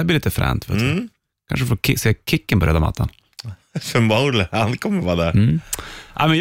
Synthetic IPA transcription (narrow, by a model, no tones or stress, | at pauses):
blɪliːt̪əfɾɛ̰ːnt̪fɪt̪s | kʰa̰nʂəfoːkʰɪseːkʰɪkːənpɔɾḛd̪ama̰t̪ʰːɑ̰n | fœmbaʊləankʰɔmːəɾʋɑːd̪ɛ | ʔa̰ɪmɛn